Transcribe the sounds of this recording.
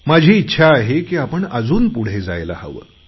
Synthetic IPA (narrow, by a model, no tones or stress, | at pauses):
mad͡ʑʱiːitːɕʰaːɦekiːapəɳəd͡zuːnpuɽ̤ed͡za̰jla̰hə̰ʋə̰